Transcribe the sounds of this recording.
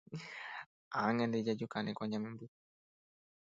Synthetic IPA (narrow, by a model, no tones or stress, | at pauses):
aŋɛndɛd͡ʒad͡ʒukanɛkɔɲamimbu